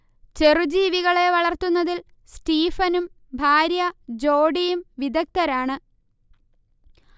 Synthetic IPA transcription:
t͡ɕe̞rud͡ʑiːʋiɣɐɭe̞ʋɐɭɐrt̪unːɐðil | sʈiːfɐnum | bʱaːɾjɐd͡ʑo̞ːɖijumʋid̪ɐk̚t̪ɐɾaːɳɨ

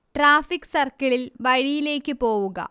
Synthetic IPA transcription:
ʈraːfikːsɐrkɐɭilʋɐɻijile̞ːkːɨpo̞ːʋuɣɐ̰

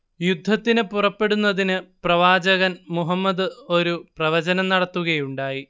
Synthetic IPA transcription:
jud̪ʱːɐt̪ːinɨpurɐpːe̞ɽunːɐðinɨprɐʋaːd͡ʑɐɣɐnmuɦɐmːɐd̪ɨo̞ɾuprɐʋɐd͡ʑɐnɐmnɐɽɐt̪ːuɣɐjuɳɖaːji

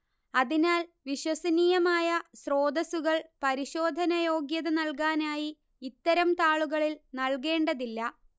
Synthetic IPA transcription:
ɐðinaːlʋiɕwɐsɐniːjɐmaːjɐsro̞ːd̪ɐsuɣɐɭpɐɾiɕo̞ːd̪ʱɐnɐjo̞ːɡjɐðɐnɐlkaːnaːjiː | t̪ːɐɾɐmt̪aːɭuɣɐɭilnɐlk̬e̞ːɳɖɐðilːɐ

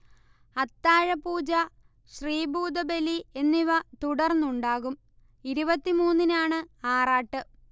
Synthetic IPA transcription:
ɐt̪ːaːɻɐpuːd͡ʑɐ | ɕriːbuːd̪ɐbelie̞nːiʋɐt̪uɽɐrnːuɳɖaːɣum | iɾubɐt̪ːimuːnːinaːɳɨaːraːʈːɨ

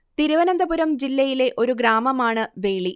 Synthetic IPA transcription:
t̪iɾuʋɐnɐnd̪ɐbuɾɐmd͡ʑilːɐjile̞ʔo̞ɾuɡɾaːmɐmaːɳɨʋe̞ːɭi

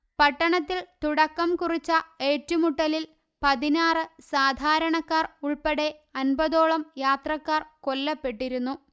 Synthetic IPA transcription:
pɐʈːɐɳɐt̪ːilt̪uɽɐkːɐmkurit͡ɕːɐe̞ːtːumuʈːɐlil | pɐðinaːrɨsaːd̪ʱaːɾɐɳɐkːaːruɭpɐɽe̞ɐnbɐðo̞ːɭɐmjaːt̪rɐkːaːrko̞lːɐpːe̞ʈːiɾunːu

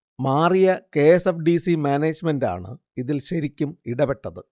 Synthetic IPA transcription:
maːrijɐke̞ːesefɖisimaːneːd͡ʑmenda̰ːɳɨ̰ | iðilɕɐɾikʲːumiɽɐpeʈːɐðɨ

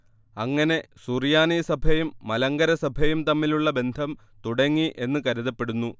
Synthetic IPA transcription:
ɐŋːɐne̞suːrijaːnisɐbʱɐjumːɐlɐŋɡɐɾɐsɐbʱɐjumt̪ɐmːiluɭːɐbe̞nd̪ʱɐm | t̪uɽɐŋːiʔe̞nːɨkɐɾuðɐpːe̞ɽunːu

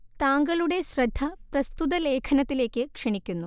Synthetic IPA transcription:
t̪aːŋɡɐɭuɽe̞ɕɾɐd̪ʱːɐpɾɐst̪ut̪ɐleːkʰɐnɐt̪ːile̞ːkːekʂɐɳikʲːunːu

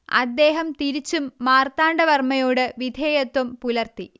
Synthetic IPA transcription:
ɐ̰d̪ːeːɦɐmt̪iɾit͡ɕːumːaːrt̪aːɳɖɐʋɐrmɐjo̞ːɽɨʋid̪ʱeːjɐt̪wɐmpulɐrt̪i

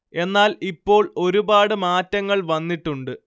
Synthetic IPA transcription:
e̞nːaːlipːo̞ːɭo̞ɾubaːɽɨmaːtːɐŋːɐɭʋɐnːiʈːuɳɖɨ

